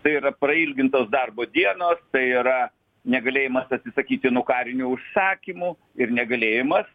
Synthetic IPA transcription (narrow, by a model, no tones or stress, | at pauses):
t̪ɐɪiɾɐprɐilʲɡʲɪnt̪oːsd̪ɐrboːd̪ʲiɛnoːst̪ɐɪɪɾɐ | nʲɛɡɐlʲeːjɪmɐsɐt̪ʲsʲɪsɐkʲiːt̪ʲɪnuɔkɑːɾʲɪnʲuːʊʃsɑːkʲimu | ɪɾnʲɛɡɐlʲeːjɪmɐs